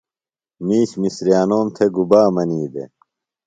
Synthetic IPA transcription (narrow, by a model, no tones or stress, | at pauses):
miːɕmisɾijaːnoːnt̪ʰeɡubaːmɐniːd̪ḛ